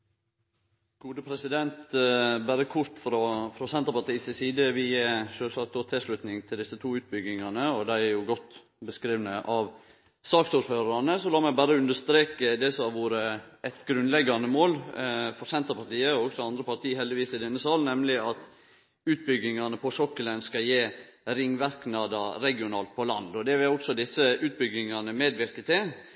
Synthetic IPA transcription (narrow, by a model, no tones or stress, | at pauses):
ɡ̥uːd̪əpʰɾɛsɪd̪ɛnt̪bæɾəkʰʊɾt̪fɾɔfɾɔsɛnt̪ɾpɑt̪iːsɪsiːd̪əʋiːəʃøːsɑt̪ʊt̪ʰɛʂlʉt̪nɪŋt̪ʰɪld̪ɪsːət̪ʰuːʉːt̪̚bʏɡɪŋɑnəɔd̪æɪæɾjʊɡɔt̪ː | bəskɾiːʋnəʔɑʋ | sɑːksuːɾføːɾɑnəsɔlɑːmæbæɾəʉnd̪əʂst̪ɾeːkəd̪ɛsɔɑʋuːɾəɛt̪ɡɾʉnlɛɡːɑnəmoːlfɔɾsɛnt̪əɾpɑɾt̪iːəɔɔɡsɔɑnd̪ɾəpɑɾt̪ʰiːhɛld̪ɪʋiːsɪd̪ɛnːəsɑːlnɛmlɪɑt̪ | ʉːt̪̚bʏɡɪŋɑnəpʰɔsɔkːəlɛnskɑjeːɾɪŋːʋæɾknɑːd̪ɑɾɛɡɪʊnɑːlt̪̚pʰɔlɑnd̪ɔd̪ɛʋɪlɔksɔd̪ɪsːəʉːt̪̚bʏɡɪŋɑnəmeːd̪ʋɪɾkət̪ʰɪl